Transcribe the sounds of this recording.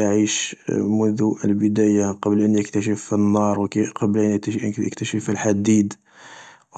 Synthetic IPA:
ʕiʃmʊnðuʔəlbəd̪æjaqɑblʔənjəkt̪æʃ̬əfinːɑɾˤwəkqɑblʔənə̰kt̪æʃəfəlħad̪id̪

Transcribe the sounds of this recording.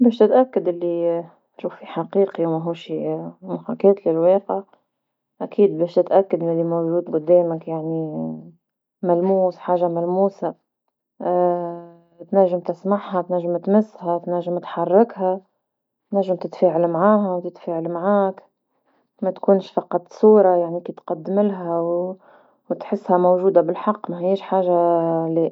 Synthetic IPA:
bɛːʃt̪ɪt̪ʔakːad̪ʔɪlːi | ʃuːfiħaqiːqiwmæɦuːʃimʊħakɛːt̪lɪlweːqɪʕ | ʔækʰiːd̪̚bɛːʃt̪ɪt̪ʔakːad̪mɪlːimowʒuːd̪ɡʊd̪ɛːmɪkjaʕni | mælmuːsħaːʒːamælmuːsa | t̪næʒːɪmt̪ɪsmaʕɦat̪næʒːɪmt̪mʊsːhæt̪næʒːɪmt̪ħɑrˤːɪkɦa | t̪næʒːɪmt̪ɪt̪feːʕalmʕaːɦæwt̪ɪt̪feːʕalmʕaːk | mæt̪kuːnʃfɑqɑt̪ˤsuːɾˤɑjaʕnikit̪qɑd̪ːmɪlɦæw | wt̪ħɪsːhæmowʒuːd̪abɪlħɑqːmæhiːʃħaːʒali

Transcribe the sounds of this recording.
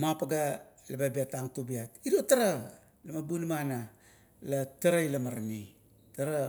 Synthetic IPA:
mapaɡalababiataŋtubiatiɾotaɾa | lamabunmana | lataɾajlamaɾani | taɾa

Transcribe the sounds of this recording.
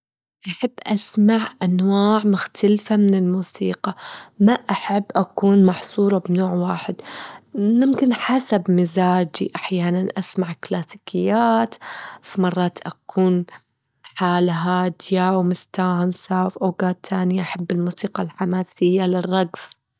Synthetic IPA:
ʔaħabːʔasmaʕʔanwaːʕmʊxt̪ʰalfamɪnɪlmuːsiːqɑmaʔaħabːʔakuːnmɑħsˤuːɾˤɑbnoːʕwaːħɪd̪ | mʊmkɪnħasabmɪzaːd͡ʒḭʔaħjaːnanʔasmaʕklaːsikɪjːaːt̪fimɑrˤːɑːt̪ʔakʰuːn | ħaːlɦaːd̪ɪjawmʊst̪aːhamsawfʔawɡaːt̪ʰːaːnɪjaʔaħabːɪlmuːsiːqɑalħamaːsɪjːalɪrˤːɑɡs

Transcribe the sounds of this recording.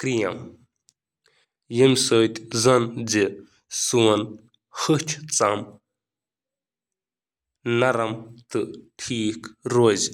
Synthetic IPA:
kɾijɐm | jimsəːt̪ʲzɐnd͡zi | suwɐn | hɨt͡ʃʰt͡sɐm | nɐɾɐmt̪ɨʈʰiːkɾoːz

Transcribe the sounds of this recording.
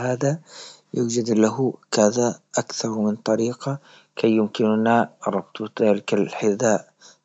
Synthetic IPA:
haːðajuːd͡ʒad̪laɦʊkaðaʔakθɑɾˤmɪnt̪ˤɑɾiːqa | kʰajːʊmkɪnʊnaɾˤɑb̚t̪ˤðaːlɪkalħɪðaːʔ

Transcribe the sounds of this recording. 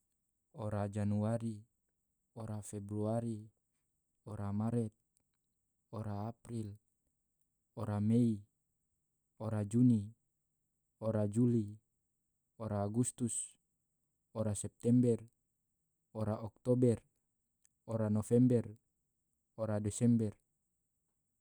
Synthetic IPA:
oɾad͡ʒanuaɾi | oɾafɛbɾuaɾi | oɾamaɾɛt̪̚ | oɾaːpɾil | oɾamei | oɾad͡ʒuni | oɾad͡ʒuli | oɾaːɡust̪us | oɾasɛp̚t̪ɛmbɛr | oɾaʔɔk̚t̪ɔbɛr | oɾanofɛmbɛr | oɾadɛsɛmbɛr

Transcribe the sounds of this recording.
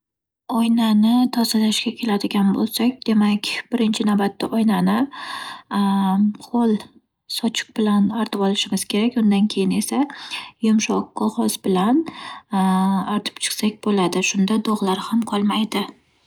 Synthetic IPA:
ɒjnanɪt̪ʰɒzɪlaʃɡʲakʲʰe̞lad̪ɪɡʲanbo̰lˠsakʲd̪e̞makʲbɪɾɪnt͡ʃʰɪnawbat̪ːaʔɒjnanɪ | qʰolˠ | sɒt͡ʃʰɪ̥q̚bɪlanaɾt̪ʰɪpɒlɪʃɪmɪz̥kʲʰe̞ɾakʲʊnd̪ankʲʰe̞jɪne̞sajʊmʃɒq̚ːɒlˠχɒsbɪlan | aɾt̪ʰɪ̥pt͡ʃʰɨ̥qsakʲbolad̪ɪʃʊnd̪ad̪oʁlˠaɾhamqʰɒlˠmajd̪ɪ

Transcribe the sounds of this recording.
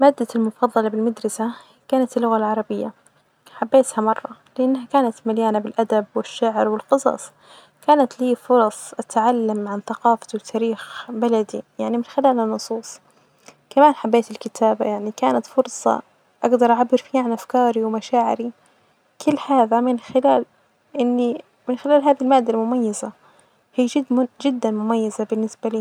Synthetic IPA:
maːd̪ːalmʊfɑðˤːɑlɑbɪlmad̪ɾˤɑsa | kaːnat̪ɪlːʊɣalʕɑɾˤɑbɪjːa | ħabːeːt̪hamɑrˤːɑlɪʔanːɦakaːnat̪maljaːnabɪlʔad̪abwɪʃːaʕɾwɪlqɨsˤɑ̰ːsˤ | kaːnat̪liːfʊɾˤɑsˤʔat̪ʕalːamʕanθaqɑːfawɪt̪ʰːaːɾiːxbalad̪ijaʕnimɪnxɪlaːlɪnːʊsˤuːsˤ | kamaːnħabːeːt̪ɪlkɪt̪ʰaːba̰jaʕnikaːnat̪fʊɾsˤɑ̰ | ʔaɡd̪ɑɾˤʔaʕabːɪɾfiːaʕanʔafkɑːɾiwmaʃaːʕɪ̰ɾi | kʰʊlːħaːðamɪnxɪlaːl | ʔɪnːi | mɪnxɪlaːlɦaːðilmaːd̪ːalmʊmajːaza | hiːɪd͡ʒɪd̪ːanmʊmajːazabɪnːɪsbaliː

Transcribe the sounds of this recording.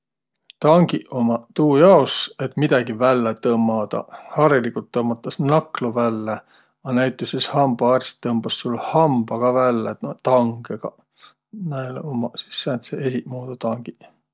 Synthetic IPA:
t̪ɑŋɡ̥iomɑt̪uːjɑose̞t̪ˑmid̪̥ɑɡivælːet̪ɤmːɑd̪ɑ̰hɑɾilikult̪ːɤmːɑt̪ːˑɑsnɑklovælːe | ɑnæjt̪ːˑusishɑmbɑɑrsi̥t̪ːɤmb̥ɑsːulhɑmbɑɡ̥ɑvælːet̪ɑŋɡ̥eɡ̥ɑ̰ | næeleomɑsi̥sːænt̪seesiʔmoːd̪ut̪ɑŋɡ̥i

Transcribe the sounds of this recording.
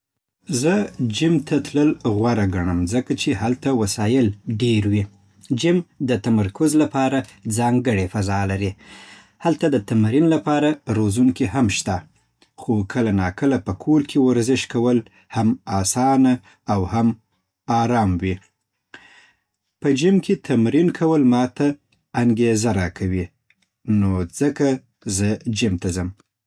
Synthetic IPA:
zəd͡ʒɪmt̪ʰat̪ləlɣwaɾaɡaɳəmzəkat͡ʃehalt̪awasɑjɪlɖeɾwi | d͡ʒɪmd̪ət̪amaɾkʊzlapɑɾad͡zɑŋɡəɽefazɑlaɾi | halt̪ad̪ət̪amaɾinlapɑɾaɾozuŋkihamʃt̪a | xokʰəlanɑkəlapəkʰoɾkʰewaɾzɪʃkawəl | hamɑsɑna | awham | ɑɾɑmwi | pəd͡ʒɪmkʰet̪ʰamɾinkʰawəlmɑt̪aː | ŋɡezaɾɑkʰawi | nod͡zəka | zəd͡ʒɪmt̪azəm

